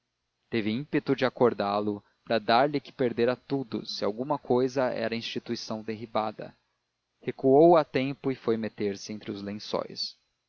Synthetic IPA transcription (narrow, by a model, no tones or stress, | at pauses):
t̪evɪĩpet̪ʊd͡ʒɪakoɾd̪alʊ | pɾɐd̪aɾlɪkɪ̥peɾd̪eɾɐt̪ud̪ʊ̰sɪa̰wɡũmɐkʰojzɐɛ̰ɾɐĩst͡ʃit̪uisɐ̃w̃d̪eɦibad̪ɐ̰ | hekuowat̪ẽmpʊɪfojmet̪eɾsɪẽnt̪ɾɪʊzlẽsɔ̰js